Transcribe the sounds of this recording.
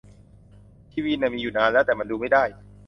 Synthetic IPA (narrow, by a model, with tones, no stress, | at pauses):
t̪ʰiː˥˩wiː˧nːɛ˧˩miː˧juː˨˩naː˧nlɛː˦˥wt̪ɛː˨˩ma˧nduː˧ma˥˩jdaː˥˩j